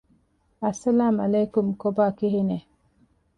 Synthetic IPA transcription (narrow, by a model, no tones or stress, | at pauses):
asːalaːmalekumkobaːkiɦine